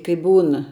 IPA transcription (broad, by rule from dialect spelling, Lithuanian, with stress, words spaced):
kɐɪ ˈbuːn